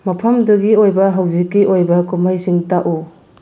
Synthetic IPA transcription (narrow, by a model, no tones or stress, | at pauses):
mɐpʰɐmdɐɡiojbɐɦawzikːiʔojbɐkumajsiŋtaʔu